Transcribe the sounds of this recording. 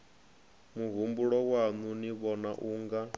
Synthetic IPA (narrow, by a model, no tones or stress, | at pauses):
muɦumbuɺɔwanuniβɔnaʔuːŋɡa